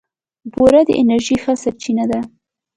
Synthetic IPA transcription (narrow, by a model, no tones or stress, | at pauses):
boɾad̪ə̰ʔɪnaɾʒixəsaɾt͡ʃinad̪a